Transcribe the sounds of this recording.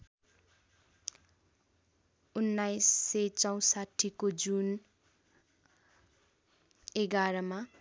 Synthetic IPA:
unːajsːet͡sʌw̃saʈʰːikod͡zun | eɡaɾʌma

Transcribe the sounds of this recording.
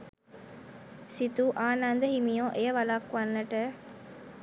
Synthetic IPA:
sit̪uʔaːnand̪əɦimijõːʔejəʋɐlaːkʋanːɐʈə

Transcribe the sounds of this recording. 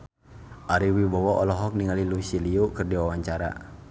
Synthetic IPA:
ʔaɾiwibɔwɔʔɔlɔɦɔk̚niŋalilusiliukɨrdiwawaɲt͡ʃaɾa̰

